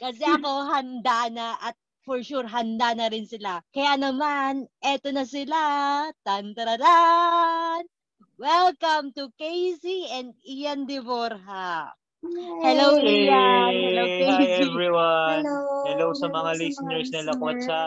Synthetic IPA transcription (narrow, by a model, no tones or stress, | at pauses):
kɐsɛʔɐko̞ɦɐnd̪anɐʔɐt̪̚ | fɔɹʃuɾɦɐnd̪anɐɾɪnsɪlakɐjanɐmanʔɛt̪o̞nɐsɪlat̪ɐnt̪ɾɐd̪a | n | wɛlkɐmt̪ukejsiɛnd̪̚ɪjɐnd̪ɪvoɾɦa | hɛlowijahɛloɛvɾiwanhɛlowsɐmɐŋalɪsɪnɛɹsnɪlɐkoɐt̪̚sɐ